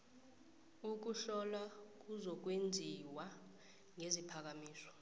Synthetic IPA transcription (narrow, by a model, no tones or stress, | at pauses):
uk̬uɬɔlak̬ʼuzɔk̬wend͡zʱiwa | ŋezipʰak̬amiːsɔ̥